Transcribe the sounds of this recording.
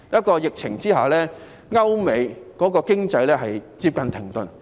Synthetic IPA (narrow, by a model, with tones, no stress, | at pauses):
jɐ˥t̚kɔː˧jɪ˨k̚t͡sʰɪ˨˩ŋt͡siː˥ɦa̰ː˨˩wlɛː˥ | ŋɐ˥wme˨˧jkɔː˨˥kɔː˧kɪ˥ŋt͡sɐ˧jlɛː˥ɦɐ˨˩jt͡siː˧p̚kɐ˨nt̪ʰɪ˨˩ŋt̪ɵ˨n